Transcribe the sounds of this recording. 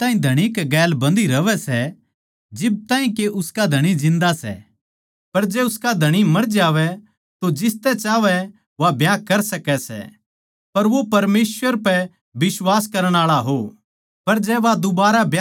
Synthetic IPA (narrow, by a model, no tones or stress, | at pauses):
t̪aːĩd̪ʱɐɽ̃ikɛɡɛːlbɐ̃nd̪iɾɐʋɛsɛ | d͡ʒɪb̚t̪ãːĩkeʔʊskad̪ʱɐɽ̃id͡ʒɪ̃nd̪asɛ̰ | pɐɾd͡ʒɛːʊskad̪ʱɐɽ̃imɐɾd͡ʒaːʋɛ | t̪od͡ʒɪst̪ɛt͡ʃaːʋɛ | ʋabʱjaːkɐɾsɐkɛsɛ̰ | pɐɾʋopɐɾmeːsʋəɾpɛ | bɪswaːskɐɾəɽ̃aːɭaɦo | pɐɾd͡ʒɛʋad̪ʊbaːɾabʱja